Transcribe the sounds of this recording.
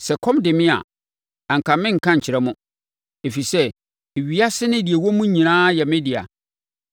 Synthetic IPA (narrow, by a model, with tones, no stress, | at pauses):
sɛ˨kʰɔ̃˦mdɪ˨mɪ̃˦a̰˨ | ã˨ŋ̩˨kʰã˨mɪ̃˦ŋ̩˨kʰã˦ɲ̩˨t͡ɕʰɪ˨ɾɛ˦mʊ̃˦ | e˨fi˨sɛ˦˨ | ɥi˨a˦sɪ˦nɪ̃˦di˨e˨wɔ˦mʊ̃˦ɲĩ˨nãː˦jɛ˨mɪ̃˦dɪ˨a̰˨